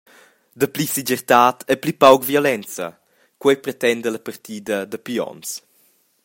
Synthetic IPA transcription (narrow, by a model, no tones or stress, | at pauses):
d̪əplisid͡ʒɛrt̪aːt̪ʰɛplipawkvjɔlɛnt͡sə | kwɛjpɾet̪ɛnd̪ələpərt̪iːd̪əd̪əpiɔ̰ns